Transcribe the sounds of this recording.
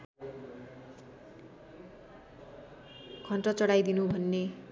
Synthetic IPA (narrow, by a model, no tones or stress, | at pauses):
kʰʌnʈʌt͡sʌɽajd̪inubʱʌnːe